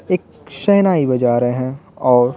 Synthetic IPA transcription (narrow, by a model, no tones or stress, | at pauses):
eːk̚ | ʃɛɦnaːibɐd͡ʒaːɾeɦɛ̃ɔːɾ